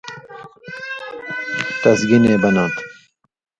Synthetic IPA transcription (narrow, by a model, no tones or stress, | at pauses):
t̪ɐsɡineːbɐnãːnt̪